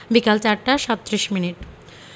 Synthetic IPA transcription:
bikalt͡ɕaɾʈaʃɔt̪ːɾiʃminiʈ

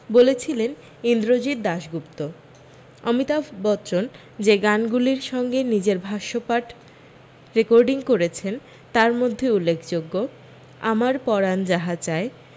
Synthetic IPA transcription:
bolet͡ɕʰilen | ind̪ɾod͡ʑit̪̚d̪aʃɡupt̪o | ɔmit̪abɔt͡ɕon | d͡ʑeɡanɡuliɾʃɔŋɡenid͡ʑeɾbʱaʃopaʈ | ɾekoɾɖiŋkoɾet͡ɕʰen | t̪aɾmod̪ʱːeulːekʰd͡ʑoɡːo | a̰maɾpɔɾand͡ʑaɦat͡ɕae

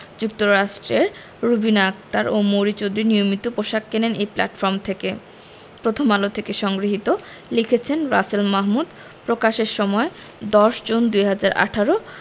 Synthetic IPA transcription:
d͡ʑuk̚t̪oɾaʃʈɾeɾ | ɾubinak̚t̪aɾʔomoɾit͡ɕod̪ɾiɾnijomit̪opoʃakːenenejpla̰ʈfɔɾmt̪ʰeke | pɾot̪ʰomalot̪ʰekeʃɔŋɡɾiɦit̪o | likʰet͡ɕʰenɾa̰selmaɦmud̪ | pɾokaʃeɾʃɔmɔe | d̪ɔʃd͡ʑond̪ujɦad͡ʑaɾʔa̰ʈʰaɾo

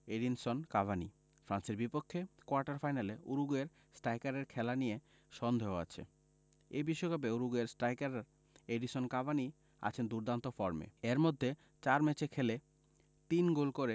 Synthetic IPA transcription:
eɖinsonkabʱanḭ | fɾanseɾbipokʰːekoaɾʈaɾfajnaleʔuɾuɡueɾ | sʈajkaɾeɾkʰɛlanije | ʃɔnd̪ʱeɦoa̰t͡ɕʰḛ | ebiʃːokap̬euɾuɡueɾsʈajkaɾaɾ | eɖiʃonkabʱani | a̰t͡ɕʰend̪uɾd̪ʱant̪ofɔɾmḛeɾmod̪ʱːe | t͡ɕaɾmet͡ɕekʰele | t̪inɡolkoɾe

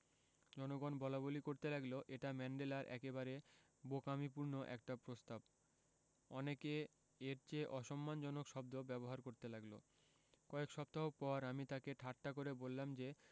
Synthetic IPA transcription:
d͡ʑɔnoɡɔnbɔlabolikoɾt̪elaɡloʔeʈamɛɳɖelaɾʔɛ̰keβaɾe | bokamipuɾnoʔɛ̰k̚ʈapɾost̪ab̚ | ɔneke | eɾt͡ɕeʔɔʃɔmːand͡ʑɔnokʃɔb̚d̪obɛboɦaɾkoɾt̪elaɡlo̰ | kɔekʃɔp̚t̪aɦok̚pɔɾamit̪akeʈʰaʈːakoɾebolːamd͡ʑe

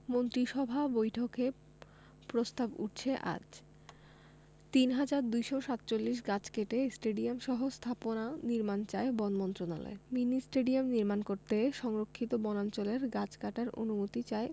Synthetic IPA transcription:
mont̪ɾiʃɔbʱabojʈʰoke | pɾost̪abṵʈ̚t͡ɕʰeʔa̰d͡ʑ | t̪inɦad͡ʑaɾd̪ujʃoʃat̪ːt͡ɕolːiʃ̬ɡat͡ɕkeʈesʈeɖiamʃɔɦost̪ʰaponaniɾmant͡ɕaebɔnmɔnt̪ɾona̰lo̰eminisʈeɖiamniɾmankoɾt̪eʃɔŋɾokʰːit̪obɔnant͡ɕoleɾɡat͡ɕkaʈaɾo̰numot̪it͡ɕae

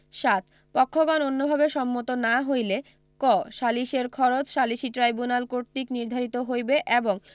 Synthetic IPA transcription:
ʃat̪̚ | pɔkʰːoɡɔnonːobʱabeʃɔmːot̪onaɦojle | kɔʃaliʃeɾkʰɔɾot͡ɕʃaliʃiʈɾajbunalkoɾt̪ikniɾd̪ʱaɾit̪oɦojbeʔeboŋ

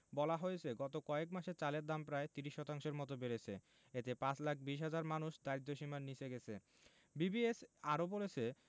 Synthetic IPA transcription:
bɔlaɦojet͡ɕʰeɡɔt̪okɔekmaʃet͡ɕaleɾd̪ampɾaet̪iɾiʃːɔt̪aŋʃeɾmɔt̪obeɾet͡ɕʰḛ | et̪epãt͡ɕlak̚ʰbiʃ̬ɦad͡ʑaɾmanuʃd̪ajit̪ːoʃimannit͡ɕʰeɡɛt͡ɕʰe | bibiesaɾobolet͡ɕʰe

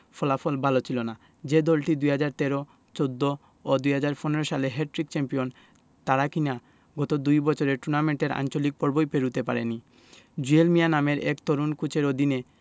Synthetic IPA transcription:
fɔlafolbʱalot͡ɕʰilona | d͡ʑed̪ɔlʈid̪ujɦad͡ʑaɾt̪eɾo | t͡ɕod̪ːo | od̪ujɦad͡ʑaɾponeɾoʃaleɦeʈ̚ɾik̚t͡ɕɛmpion | t̪aɾakina | ɡɔt̪od̪ujbɔt͡ɕʰoɾeʈuɾnameɳʈeɾa̰nt͡ɕolik̚pɔɾbojpeɾut̪epaɾeni | d͡ʑuelmijanameɾḛkt̪oɾunkut͡ɕʰeɾod̪ine

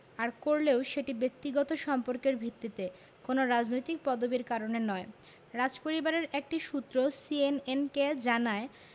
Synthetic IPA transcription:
aɾkoɾleoʃeʈibek̚t̪iɡɔt̪oʃɔmpoɾkeɾbʱit̪ːit̪e | konoɾad͡ʑnojt̪ik̚pɔd̪obiɾkaɾonenɔe | ɾad͡ʑpoɾibaɾeɾek̚ʈiʃut̪ːɾosienenked͡ʑanae

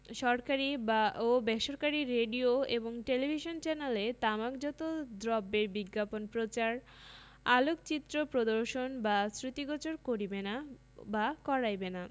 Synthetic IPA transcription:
ʃɔɾkaɾibaobɛʃoɾkaɾiɾeɖioeboŋʈelibʱiʃont͡ɕɛnelet̪amakd͡ʑɔt̪od̪ɾɔbːeɾbiɡːaponpɾot͡ɕaɾ | alokt͡ɕit̪ːɾopɾod̪oɾʃonbasɾit̪iɡɔt͡ɕoɾkoɾibena | bakɔɾajbena

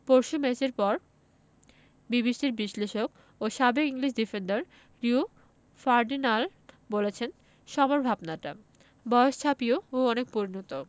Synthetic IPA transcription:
poɾʃumet͡ɕeɾpɔɾ | bibiʃʈiɾbiʃleʃok | oʃabekiŋliʃ̬difenɖaɾ | ɾu | faɾɖinal | bolet͡ɕʰen | ʃɔmoɾbʱabnaʈa̰ | bɔeoʃt͡ɕʰapiooɔnek̚puɾnot̪o

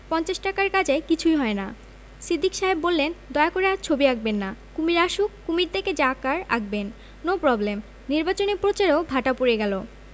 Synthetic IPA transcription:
pɔnt͡ɕaʃʈakaɾkad͡ʑaekit͡ɕʰujɦɔena | sid̪ʱːikʃaɦebːolːend̪ɔeakoɾeaɾt͡ɕʰobiaɡ̚benːakumiɾaʃukːumiɾt̪ʰeked͡ʑakaɾa̰ɡ̚ben | nopɾɔblem | niɾbat͡ɕonepɾot͡ɕaɾobʱaʈapuɾeɡɛlo

